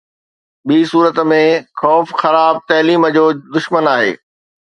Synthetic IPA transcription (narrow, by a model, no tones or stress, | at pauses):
ɓiːsuːɾət̪mẽxɔːfxɐɾaːb̚t̪ɐːliːməd͡ʑoːd̪ʊʃmənaːɦḛː